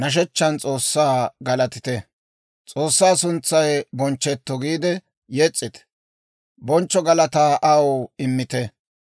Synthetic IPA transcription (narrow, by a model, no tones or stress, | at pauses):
nɐʃ̬ɛt͡ʃːɐnt͡sʼoːsːaːɡɐlɐt̪ɪt̪ɛ | t͡sʼo̞ːsːaːsʊnt͡sːɐjbɔnt͡ʃːɛt̪ːɔɡiːd̪ɛ | jɛt͡sʼːɪt̪ɛ̥ | bɔnt͡ʃːɔɡɐlɐt̪aːʔɐwɪmːɪt̪ɛ